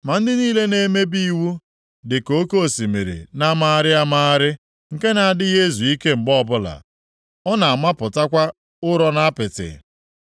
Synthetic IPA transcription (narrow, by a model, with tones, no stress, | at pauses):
ma˨n̩˦dɪ˦niː˦le˦ne˦me˦bi˦wu˦ | dɪ˨ko˦ko˦˨si˨mḛ˨ɾḛ˨na˦maː˦a˦ɾɪ˦a˦maː˦ɾɪ˦ | ŋ̩˨ke˦na˨a˨dɪ˦ɣe˦zu˨i˦ke˦m̩˨ɡ͡bɔ˦˨bʊ˦la̰˨ | ɔ˦na˨a˨ma˦pʊ˨ta˦kʷa˦ | ʊ˦ɾɔ˦na˦pɪ˨tɪ̰˨